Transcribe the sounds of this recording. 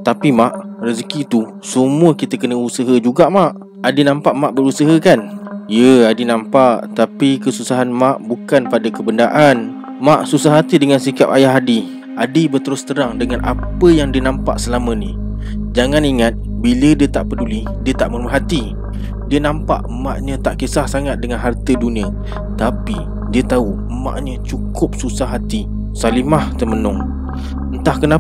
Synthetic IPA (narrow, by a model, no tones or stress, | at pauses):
t̪apimaʔrəzkit̪u | səmuəkit̪əkənəusəɦəd͡ʒuɡaʔmaʔ | adinampaʔmaʔbəɾusəɦəkanjəadinãmpaʔt̪apikəsusaɦanmaʔbukanpadakəbəndaʔan | maʔsusahɦat̪idəŋansikap̚ajaɦadi | adibərt̪əɾʊst̪əɾaŋdəŋanʔa̰pəjaŋdiənampa̰ʔsəlamə̃ni | d͡ʒaŋaniŋat̪̚bilədiət̪aʔpəduli | diət̪aʔməɾmaɦat̪i | diənampa̰ʔma̰ʔɲə̃t̪aʔkesahsaŋat̪̚dəŋanɦart̪ədunĩə | t̪api | diət̪au | ma̰ʔɲət͡ʃukʊp̚susaɦat̪i | salimaht̪əmənʊŋ | ənt̪ahkəna